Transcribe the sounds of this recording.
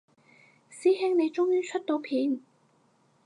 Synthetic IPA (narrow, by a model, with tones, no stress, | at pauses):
siː˥ɦɪ˥ŋne˨˧jt͡ʃʊ˥ŋjyː˥t͡ʃʰɵ˥t̚t̪o˨˧˥wpʰiː˨˧˥n